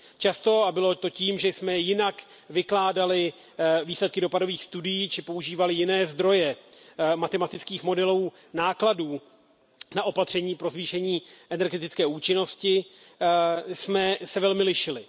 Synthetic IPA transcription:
t͡ʃast̪o̞abɪlo̞t̪o̞ciːmʒɛsmɛjɪnak | vɪklaːdalɪ | viːslɛt̪kɪdo̞pado̞viːxst̪udɪjiːt͡ʃɪpo̞uʒiːvalɪjɪnɛːzd̪ɾo̞jɛmat̪ɛmat̪ɪt͡skiːxmo̞dɛluː | naːkladuː | naʔo̞pat̪r̝̥ɛɲiːpɾo̞zviːʃɛɲiːʔɛnɛɾɡɛt̪ɪt͡skɛːuːt͡ʃɪno̞scɪ | smɛsɛvɛlmɪlɪʃɪlɪ

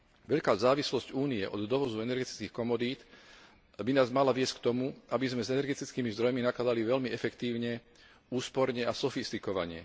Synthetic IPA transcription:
ʋɛʎkaːzaːʋislɔscuːniɛʔɔd̪d̪ɔʋɔzuɛnɛɾɡɛt̪i̥t͡skiːxkɔmɔd̪iːt̪ | binaːzmalaʋɪɛsckt̪ɔmuʔabizmɛzɛnɛɾɡɛt̪it͡skiːmizd̪ɾɔjminaklad̪aliʋɛʎmiɛfɛkt̪iːʊɲɛ | uːspɔɾɲɛasɔfist̪ikɔʋa̰ɲɛ̰

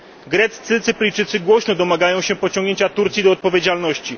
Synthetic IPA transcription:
ɡɾɛt̪st̪sɘt̪sɘplʲijt͡ʂɘt̪sɘɡwɔɕnɔd̪ɔmaɡajɔ̃w̃ɕɛpɔt͡ɕɔ̃ŋɡɲeɲt͡ɕat̪uɾt̪sʲid̪ɔːt̪̚pɔvʲjed͡ʑalnɔɕt͡ɕi

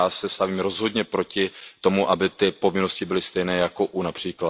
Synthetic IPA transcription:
aːsɛst̪aviːmɾo̞zɦo̞dɲɛpɾo̞cɪt̪o̞muʔabɪt̪ɪpo̞vɪno̞scɪbɪlɪst̪ɛjnɛːjako̞ʔunapr̝̥iːkla

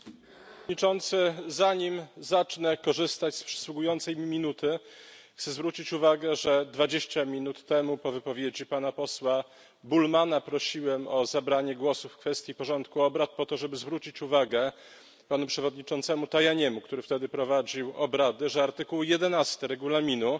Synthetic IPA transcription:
ɲit͡ʂɔnt̪sɘzaɲimzat͡ʂnɛkɔʐɘst̪at͡ɕspʂɛ̥swuɡujɔnt̪sɛjmʲimʲinut̪ɘ | xt̪sɛzvɾut͡ɕit͡ɕuvaɡɛʐɛd̪vad͡ʑeɕt͡ɕamʲinut̪ːɛmupɔvɘpɔvʲjed͡ʑipanapɔswa | bulmanapɾɔɕiwɛmɔzabɾaɲɛɡwɔsufːkfɛst̪ʲjipɔʐɔnt̪kuɔbɾat̪̚pɔt̪ɔʐɛbɘzvɾut͡ɕit͡ɕuvaɡɛ | panupʂɛvɔd̪̚ɲit͡ʂɔnt̪sɛmut̪ajaɲɛmukt̪uɾɘft̪ɛd̪ɘpɾɔvad͡ʑiwɔbɾad̪ɘʐɛaɾt̪ɘkuwjɛd̪ɛnast̪ɘɾɛɡulamʲinu

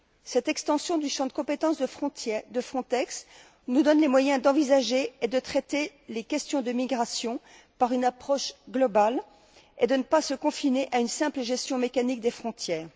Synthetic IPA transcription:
sɛt̪ɛkst̪ɑ̃sjɔ̃d̪yʃɑ̃d̪əkɔ̃pet̪ɑ̃sd̪əd̪əfχɔ̃t̪ɛks | nud̪ɔnlemwajɛ̃d̪ɑ̃vizaʒeed̪ət̪χɛt̪elekʲɛst̪jɔ̃d̪əmiɡʁasjɔ̃ | paʁynapχɔʃɡlɔbal | ed̪ənəpasəkɔ̃fineʔaynsɛ̃pləʒɛst̪jɔ̃mekanik̚d̪efχɔ̃t̪jɛːʁ

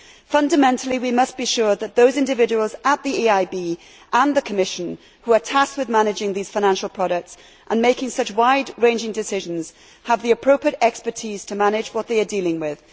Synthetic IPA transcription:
fʌ̃ndəmɛ̃ntʰl̩ˠiwimʌsb̥iʃʊɹðət̪̚ðoʊzɪ̃ndɪvɪd͡ʒəwəlˠzət̪̚ðiiaɪbiː | ʔə̃nðəkʰəmɪʃə̃n | huətʰast̚wɨðmanɪd͡ʒɪ̃ŋðiz̥faɪñæ̃nʃəl̩ˠpʰɹ̥ɒɾək̚ts | ʔə̃nmeɪkɪ̃ŋsʌt͡ʃwaɪdɹẽɪ̃nd͡ʒɪ̃ŋdɨsɪʒə̃nz̥ | əvðiɨpʰɹ̥oʊpʰɹiəɾɛkspə˞tʰiz̥tʰəmañɪd͡ʒwʌt̪̚ðeɪədilˠɪ̃ŋwɪð̥

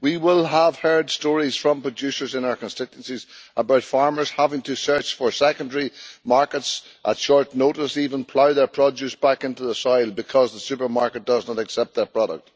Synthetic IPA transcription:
wiwɪlˠəv̥hɜ˞dstɔɹiz̥fɹʌ̃mpʰɹ̥ɨd͡ʒʉsə˞zɨ̃naʊə˞kʰə̃nsɪt͡ʃə̃nsizʔəbaʊtfɑɹmə˞z̥havɪ̃ŋtʰɨsɜ˞t͡ʃfə˞sɛkə̃ndəɹimaɹkətsʔətʃɔɹtⁿnoʊɾəsivə̃npʰl̥aʊðə˞pʰɹ̥ɔd͡ʒʉsb̥akɪ̃ntuðəsɔɪlˠbɨkʰɔzðəsʉpə˞maɹkət̚d̥ʌznəɾɛksɛp̚t̪̚ðə˞pʰɹ̥ɔɾə̰k̚t̚

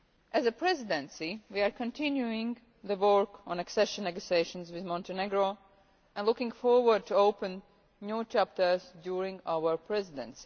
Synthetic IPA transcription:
ʔæzəpʰɹɛzɪdɛ̃nsiwiaɹkə̃ntʰɪ̃njuɪ̃ŋ | ðəwɔɹkɔ̃nɛksɛʃə̃nːɛɡosieɪʃə̃nzwɪðmɔ̃ntənɛɡɹo | ʔɛ̃nlʊkɪ̃ŋɡfɔɹwə˞d̚tʰuoʊpə̃n | njuːt͡ʃæp̚tə˞zdjuːɹɪ̃ŋɡawəɹpʰɹɛzɪdɛ̰̃nsi

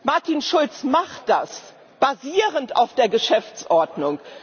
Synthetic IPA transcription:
maɐtinʃʊlt͡smaχtd̥as | b̥aziːʁənta̰ʊfd̥eːɐɡəʃɛft͡sʔɔɐdnʊŋ

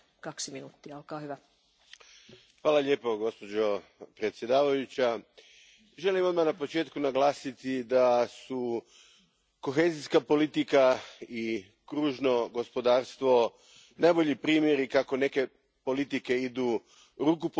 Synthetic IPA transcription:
kɑksiminuːt̪ːiɑolkɑːhyʋæ | xʋaːlaʎe̞ːpo̞ɡo̞spo̞d͡ʑo̞pɾet̪sje̞d̪aːʋajut͡ɕa | ʒe̞limod̪manapo̞t͡ʃeːt̪kunaɡlˠaːsit̪id̪asu | ko̞xe̞ːziskapo̞lit̪ikai | kɾuːʒno̞ɡo̞spod̪aːɾst̪ʋo̞ | najbo̞ʎipɾiːmje̞ɾikako̞ne̞ke̞ | po̞lit̪ike̞id̪u | ɾukup

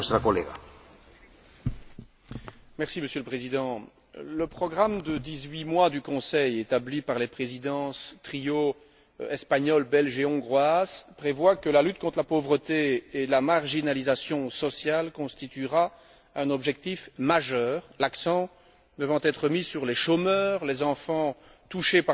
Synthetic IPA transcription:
st̪ɾakɔleɣa̰ | mɛʁsiməsjøləpχezid̪ɑ̃ | ləpχɔɡʁamd̪əd̪izɥimwad̪ykɔ̃sɛjet̪ablipaʁlepχezid̪ɑ̃st̪χio | ɛspaɲɔlbɛlʒeɔ̃ɡʁwazpχevwakəlalyt̪̚kɔ̃t̪χəlapovʁət̪eːlamaʁʒinalizasjɔ̃sɔsjalkɔ̃st̪it̪iʁa | ɛ̃nɔbʒɛk̚t̪ifmaʒœːʁlaksɑ̃ | d̪əvɑ̃t̪ɛt̪χəmisyʁleʃomœːʁlezɑ̃fɑ̃ | t̪uʃepa

